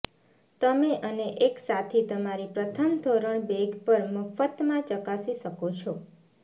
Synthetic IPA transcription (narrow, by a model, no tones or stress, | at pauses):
t̪əmeʔəneʔeksat̪ʰit̪əmaɾipɾət̪ʰəmd̪ʱoɾəɳbeɡpəɾməfət̪mãt͡ʃəkasiʃəkot͡ʃʰɔ